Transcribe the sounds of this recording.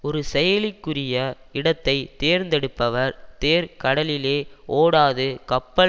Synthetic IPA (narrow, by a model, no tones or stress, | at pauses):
ɔɾɯsɛjɐlɪkːɯrɪjɐ | ɪɽɐt̪ːɐɪt̪eːɾnd̪ɛɽɯpːɐʋɐɾt̪eːɾkɐɽɐlɪleːoːɽaːðɯkɐpːɐ